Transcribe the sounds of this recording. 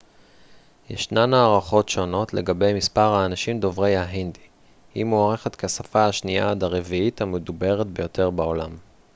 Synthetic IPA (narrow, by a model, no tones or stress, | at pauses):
jḛʃnanaːʁaχo̞tʃo̞no̞tleɡabe̞jmispaʁhaːnaʃimd̪o̞vʁe̞jhaɦindi | himoaʁeχet̪keasafaaʃnia̰d̪aʁeviit̪hamed̪ube̞ʁet̪be̞jo̞t̪ʰe̞ʁbao̞lam